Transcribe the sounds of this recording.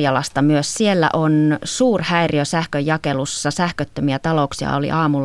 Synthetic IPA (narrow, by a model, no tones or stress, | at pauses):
jɑlɑst̪ɑmyøssielːæ̰ʔonsuːrhæiriøsæhkøjɑkelusːɑsæhkøt̪ːømiæt̪ɑloksiɑ̰olḭʔɑːmulː